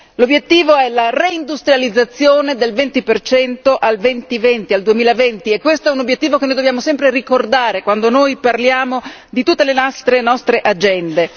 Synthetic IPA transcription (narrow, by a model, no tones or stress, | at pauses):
lobjet̪ːiːvoɛlareind̪ust̪ɾijalid̪zːat̪sːjoːned̪elvent̪ipert͡ʃɛnt̪oʔalvɛnt̪ivɛnt̪iald̪uemiːlavɛnt̪iɛkːwest̪oɛunobjet̪ːiːvokenːojd̪objaːmosɛmpɾerikord̪aːɾekwand̪onojparljaːmod̪it̪ut̪ːelenɔst̪ɾenɔst̪ɾeʔad͡ʒɛnd̪e